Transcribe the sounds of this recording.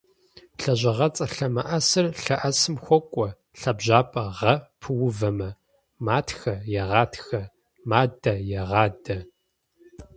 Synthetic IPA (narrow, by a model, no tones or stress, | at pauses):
ɬɐʑʷɐʁɐt͡sʼɐɬɐmɐʔɐsɨrɬɐʔɐsɨmxʷɔkʷʼɔ | ɬɐbʑaːpʼɐʁɐpʰɨwʊvɐmɐ | maːtʰxɐjɛʁɑːtʰxɐ | maːdɐjɛʁɑːdɐ